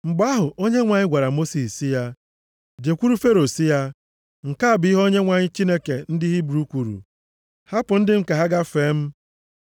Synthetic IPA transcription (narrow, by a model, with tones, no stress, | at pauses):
ŋ͡m̩˨ɡ͡ba˦a˦ɦʊ˨o˦ɲe˦ŋʷa˨ɲɪ˦ɡʷa˨ɾa˨mo˦si˨ssi˦ja˦ | d͡ʒe˨kʷu˦ɾu˦fe˦ɾo˨si˦ja˦ | ŋ̩˨ka˦a˨bɪ˦i˦ɦo˦ɲe˦ŋʷa˨ɲɪ˦t͡ʃi˦ne˦ke˨n̩˦dɪ˦ɦi˦bɾu˦u˦kʷu˨ɾṵ˨ | ha˦pʊ˨n̩˦dɪ˦ŋ̩˦˨ka˨ɦa˦ɡa˦feː˨˦m̩˦